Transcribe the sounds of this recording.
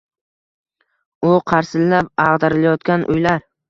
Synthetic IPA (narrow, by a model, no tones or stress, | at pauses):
ʊqʰɑɾsɪlːap̚ɑʁd̪aɾɪlajɒt̪kʲanʔʊ̰jlaɾ